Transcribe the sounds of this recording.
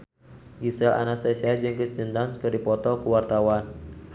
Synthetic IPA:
ɡisɛlʔa̰nast̪ɛsiad͡ʒəŋkɾist̪ind̪anskɨrdipɔt̪ɔkuwart̪awan

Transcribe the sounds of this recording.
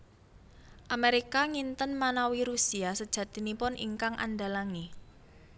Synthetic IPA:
ʔameɾikaŋint̪ənmanawiɾusiasəd̥ʒ̥ä̤td̪̥i̤nipʊnʔḭŋkaŋʔa̰nɖalaŋi

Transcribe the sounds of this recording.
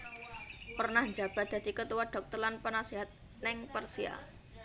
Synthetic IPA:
pərnahɲd͡ʒab̥a̤d̪̥a̤d̪̥ikət̪uwaɖ̥ɔ̤k̚t̪ɔrlanpənasiɦat̪̚ | nɪŋpərsia̰

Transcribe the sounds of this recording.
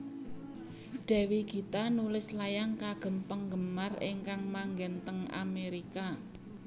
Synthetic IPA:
d̥ɛ̤wiɡ̥i̤t̪anulɪslajaŋkaɡ̥ə̤mpəŋɡə̤marɪ̰ŋkaŋmaŋɡɛnt̪əŋa̰meɾika

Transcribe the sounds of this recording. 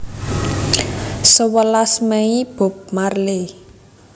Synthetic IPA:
səwəlasmɛib̥o̤p̚marle

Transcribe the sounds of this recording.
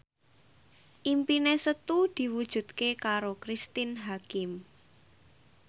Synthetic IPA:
ʔimpinesət̪ud̪̥i̤wud̥ʒ̥ṳd̪̚kekaɾokɾist̪ɪnɦakɪm

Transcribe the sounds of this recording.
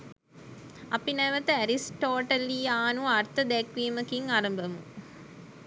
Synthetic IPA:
ɐpːinɐːʋɐt̪ːɨɐɾisʈoːʈɐliaːnuɐrt̪ɐd̪ekʋiːmɐkiŋaːɾɐmbʱɐmu

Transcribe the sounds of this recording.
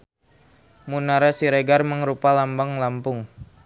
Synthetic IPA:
munaɾasiɾeɡarməŋɾupalambaŋlampʊŋ

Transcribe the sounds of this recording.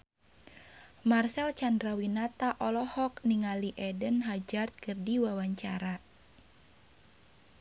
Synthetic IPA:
marsɛlt͡ʃandɾawinat̪aʔɔlɔhɔkniŋaliʔɛdənɦad͡ʒart̪̚kɨrdiwawaɲt͡ʃaɾa

